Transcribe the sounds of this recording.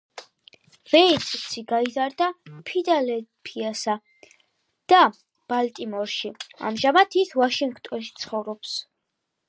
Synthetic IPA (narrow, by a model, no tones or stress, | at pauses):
vɛisʰʼsiɡaizaɾd̪apʰid̪alɛpʰiasa | d̪̥a | b̥alt̪ʼimɔɾʃia̰mʒamat̪ʰisvaʃiŋɡt̪ʼɔnʃi̥t̪sʰχɔvɾɔps